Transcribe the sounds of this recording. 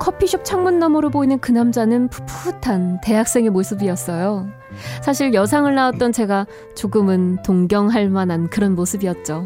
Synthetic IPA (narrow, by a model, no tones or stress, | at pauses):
kʰʌpʰiɕʰʌp̚t͡ɕʰaŋmunːʌmoɾɯɭboinɯnkɯnamd͡ʑanɯnpʰupʰutʰante̞ɦak̚s͈e̞ŋemosʰɯbiʌs͈ʌjo | sʰaɕ̬ʰiɭjʌs̬ʰaŋɯɭnaat̚t͈ʌnt͡ɕe̞ɡa | t͡ɕoɡɯmɯntoŋɡjʌŋɦaɭmanankɯɾʌnmosʰɯbiʌt̚t͡ɕ͈o